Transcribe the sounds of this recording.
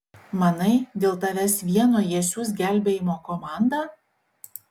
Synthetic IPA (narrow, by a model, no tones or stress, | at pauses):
mɐnɐɪd̪ʲeːlˠt̪ɐʋʲæsʲʋʲiɛnoːjeɛsʲus̬ɡʲæˑlʲbʲeːjɪmoːkɔmɑˑnd̪ɑː